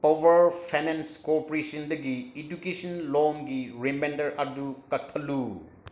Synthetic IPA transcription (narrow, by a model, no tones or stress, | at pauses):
powɐɾpʰajnenskopɔɾesɐndɐɡiedukesɔnlɔmɡiɾemendɐɾɐdukɐk̚t̪ʰɐlu